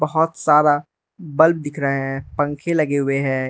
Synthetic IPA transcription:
bɐɦɔt̪saːd̪a | bɐlb̚d̪ɪkʰɾɐɦeɦɛ̃pɐ̃ŋkʰelɐɡeɦʊeɦɛ̃ː

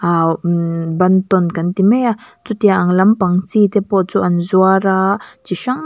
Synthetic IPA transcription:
a | bɐnt̪ɔnkant̪imɛat͡sut̪iaʔaŋlɐmpaŋt͡sit̪ɛpɔʔt͡suʔanzuaɾat͡ʃiʃaŋ

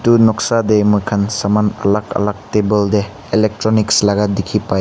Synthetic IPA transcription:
tunɔksademɔjkʰansamanɐ̰lakɐ̰lak̚tebəlde | elek̚tɾɔnikslaɡadikʰipaj

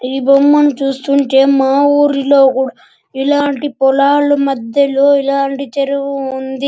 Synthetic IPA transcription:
iːbɐmːɐnut͡ʃuːst̪uɳʈe̞ːmaːwuːɾilo̞ːkuːɽ | ilaːɳʈipɔlaːlumɐd̪jɐloːilaːɳʈit͡ʃeɾuʋuːnd̪i

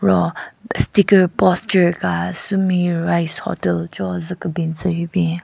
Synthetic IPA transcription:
ɹɔstikəɹpɔst͡ʃəɹkasumiɹajshɔ̰təlt͡ʃɔzəkəbint͡səjbɛ̃

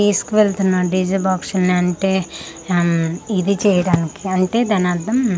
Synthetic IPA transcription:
iːskuʋeɭt̪unːaːɾɖiːd͡ʒɐbaːkʂɐlɐniɐɳʈe̞ː | id̪it͡ʃɛːjɐɽaːnikiɐɳʈe̞ːd̪ɐnaːd̪ɐm

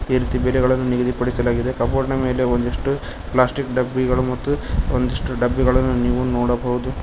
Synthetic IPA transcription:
iːɾiːt̪ibɛlɛɡɐɭɐnːuniɡɐd̪ipɐɽisɐlaːɡid̪e̞kɐmpoːɾɐɳɐme̞ːle̞ond̪iʂʈu | plaːsʈikɖɐbːiɡɐɭumɐt̪ːuond̪ɐʂʈuɖɐbːiɡɐɭɐnːuniːʋunoːɽɐbʱɐɦud̪u

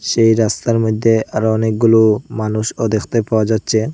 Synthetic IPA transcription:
ʃejɾast̪aɾmod̪ʱːeaɾɔnek̚ɡulomanuʃɔd̪exʰt̪epaoad͡ʑatːɕʰe

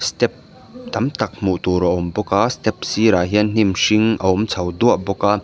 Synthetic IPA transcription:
st̪ɛp̚ | t̪ɐmt̪ɐk̚muʔt̪uɾɐʔɔmbɔkaːst̪ɛp̚siɾaːɦiənn̥imʃiŋʔɐʊmt͡sʰɐwd̪uɐʔbɔkaː

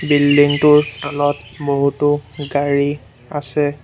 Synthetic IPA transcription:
bilːiŋtʊɹtɔlɔt̚boɦutʊɡaɹi | asɛ

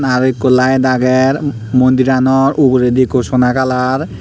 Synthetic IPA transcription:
naɹikːɔlajd̪aɡɛɹ | mond̪iɹanɔɹukɹed̪ikosɔnakalaɹ

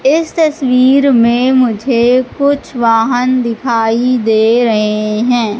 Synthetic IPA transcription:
ɪst̪ɐsʋiːɾmẽmʊd͡ʒʱekʊt͡ʃʰʋaːɦənd̪ɪkʰaːid̪eːɾɐɦeɦɛ̃ː

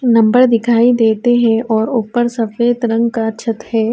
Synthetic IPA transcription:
nɐ̃mbəɾd̪ɪkʰaːid̪eːt̪eɦɛ̃ʔɔːɾʊpəɾsɐfeːt̪ɾɐ̃ŋɡkaʃʰət̪ɦɛː

